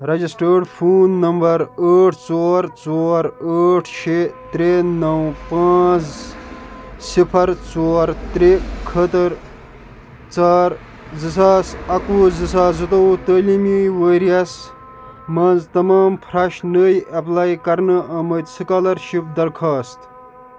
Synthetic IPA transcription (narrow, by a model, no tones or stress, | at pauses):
ɾɐd͡ʒisʈəːɖpʰuːnːɐmbɐɾəːʈʰt͡soːɾt͡soːɾəːʈʰʃet̪ɾenɐwpãːt͡s | sipʰɐɾt͡soːɾt̪ɾekʰət̪əɾ | t͡saːɾ | zisaːsɐkuzɨsaːzɨt̪owt̪əːlimiːʋəːɾijɐs | mɐnzt̪ɐmaːmpʰɾɐʃnəːjɐplaːjkɐɾnɨʔɐːmɐt̪sɨkaːlɐɾʃip̚d̪ɐɾkʰaːst̪